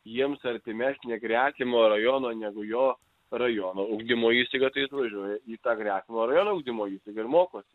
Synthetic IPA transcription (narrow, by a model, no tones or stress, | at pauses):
jiɛmsɐɾʲt̪ʲɪmʲæsʲnʲɛɡɾʲæːkʲɪmoːrɐjoːnoːnʲæɡʊjoː | rɐjoːnoːʊɡd̪ʲɪmoːjiːsʲt̪ʲɐɪɡɐt̪ɐɪɐt̪ʋɐʒʲuɔjɛiːt̪ɑːɡɾʲæːtʲɪmoːɾɐjoːnoʊɡd̪ʲɪmoːjiːsʲt̪ʲɪɡɐɪrmoːkoːsʲɪ